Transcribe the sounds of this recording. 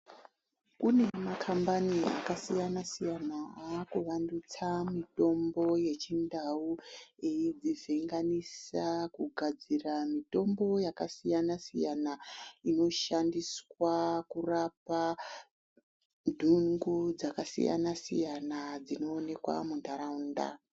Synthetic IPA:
kune̞makʰambania̰kasijanasijanaaːkuʋandut͡samito̞mbo̞je̞t͡ʃindaueid͡ziviŋɡanisakuɡʱad͡ziramito̞mbo̞jakasijanasijanaino̞ʃandiswakurapa | dʱuŋɡud͡zakasḭja̰nasḭjanad͡zino̞ːne̞kwa̰mundaɾaunda̰

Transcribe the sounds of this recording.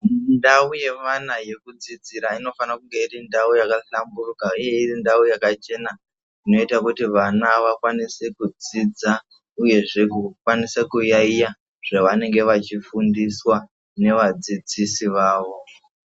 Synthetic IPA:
ndauje̞manaje̞kud͡zid͡ziɾaino̞fanakuŋɡe̞iɾindaujakaɬamburukaije̞irindaujakat͡ʃe̞na | ino̞itakutiʋanaʋakwanisekud͡zid͡za | uje̞ʐe̞kukwanisekujaija | ʐ̥aʋane̞ŋɡe̞ʋat͡ʃifundiswa | ne̞ʋad͡zid͡zisiʋaːʋo̞

